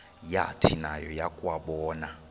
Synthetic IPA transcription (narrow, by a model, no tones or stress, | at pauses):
ja̰tʰinajɔjakʼwaɓɔːna